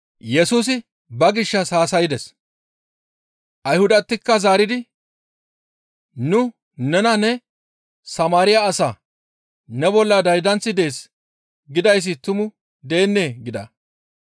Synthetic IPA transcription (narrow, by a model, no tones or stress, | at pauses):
jɛsuːs̬ɪ | bɐɡɪʃːɐsaːsɐjɪd̪ɛs | ʔɐjhʊd̪ɐt̪ːɪkːɐzaːɾɪd̪ɪ | nʊ | nɛnɐnɛ | sɐmaːɾɪjaːsaː | nɛbɔlːɐd̪ɐjd̪ɐnt͡sːɪd̪e̞ːs | ɡɪd̪ɐjs̬ːɪt̪ʊmʊ | d̪e̞ːnːe̞ːɡɪd̪ɐ̰